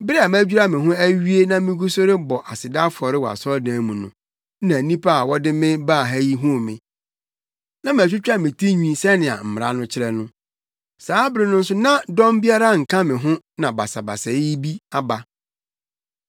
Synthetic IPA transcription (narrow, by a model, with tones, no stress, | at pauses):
bɪ˦ɾɛ˦a˨m˦æ˦d͡ʑᶣu˦ɾa˦mɪ̃˨ɦʊ̃˦æ˦ɥi˦e˦nã˦mɪ̃˦ɡu˦so˦ɾɪ˦bɔ˨ʔa˨sɪ˨da˦fʊ˨ɔ˨ɾɪ˦wa̰˨sɔ˦dãː˨˦mũ˨nʊ̰̃˨˦ | nã˨nĩ˦pa˦a˨wɔ˦dɪ˦mɪ̃˦baː˦˨ɦæ˦ji˦ɦʊ̃˦˨mɪ̃˨ | nã˦m˨æ˨t͡ɕᶣɪ˦t͡ɕᶣa˦mɪ̃˨tʰi˦ɲᶣĩ˦sɛ˦nɪ̃˨a̰˨m̩˨m˨ɾa̰˨˦nʊ̃˦t͡ɕʰɪ˦ɾɛ˦nʊ̃˦ | saː˨˦bɪ˦ɾɪ˨nʊ̃˦n̩˦sʊ˦nã˦dɔ̃˦mbi˦a˦ɾa˦ŋ̩˨kʰã˦mɪ̃˨ɦʊ̃˦nã˨ba̰˨sa˨ba̰˨sɛ˨˦bi˦a˦ba˦